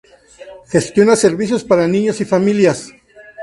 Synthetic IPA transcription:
xe̞st̪jo̞nase̞ɾβis̬jo̞spaɾanĩɲosifamiljas

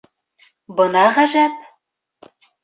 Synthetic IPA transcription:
bɤ̆nɑʁæʒæp̚

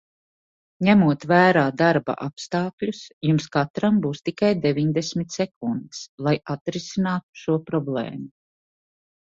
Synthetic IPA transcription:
ɲæmuɔt̪væːɾaːd̪aɾba̰ʔapst̪ɑːkʎʲusjumskat̪ɾambuːst̪ikajd̪eviɲd̪esmit̪sɛkund̪slˠajat̪ɾisinaːt̪u̥ʃuɔpɾɔblˠɛ̰ːmu

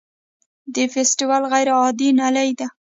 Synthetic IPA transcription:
d̪əfesʈiwalɣajɾɑd̪inalajd̪a

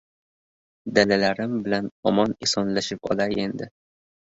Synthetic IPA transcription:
d̪alalaɾɪmbɪlanɒmɒnɪsɒnlaʃɪpɒ̰laje̞nd̪ɪ

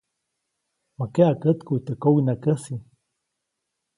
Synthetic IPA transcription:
makeʔakət̪kuit̪əkowinakəsi

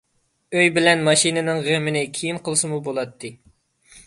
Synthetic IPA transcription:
øjbɪlɛnmɑʃinɨnɨŋʁemɪnɪkʲʰijinqʰəlˠɨsɨmubolˠɑt̪ʰːɨ

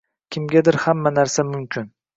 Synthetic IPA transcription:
kʲʰɪmɡʲad̪ɪɾhamːanaɾsamʊmkʲʰɪn

